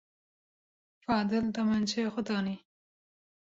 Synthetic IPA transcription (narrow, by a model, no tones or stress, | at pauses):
fɑːd̪ɪlt̪amant͡ʃexʊt̪ɑni